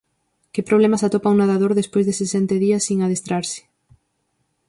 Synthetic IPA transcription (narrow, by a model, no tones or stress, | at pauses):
kɪpɾoβ̞lemasat̪opaŋwnaðaðoɾðespojzðesesɛnt̪eðiɐsːiŋaðest̪ɾaɾsɪ̥